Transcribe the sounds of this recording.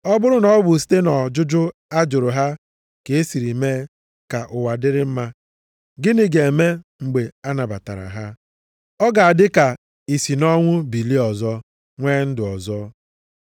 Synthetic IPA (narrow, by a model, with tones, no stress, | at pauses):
ɔ˦bʊ˦ɾʊ˦nɔ˦bʊ˨s̬i̥˦te˦nɔ˨d͡ʒʊ˦d͡ʒʊ˦a˦d͡ʒʊ˨ɾʊ˨ɦa˦ | ke˨e˦si˨ɾi˨meː˦ | ka˨ʔʊ˨wa˨dɪ˦ɾɪ˦m̩˦ma˦ | ɡɪ˦ni˨ɡe˨e˨me˦ŋ͡m̩˨ɡ͡be˨a˦na˨ba˨ta̰˨ɾa̰˨ɦa˦ | ɔ˦ɡa˨a˨dɪ˦ka˨ | i˨si˨nɔ˦ŋʷʊ˦bi˨li˦ɔ˨zɔ˦ | ŋʷeː˦n̩˦dɪ˨ɔ˨zɔ˦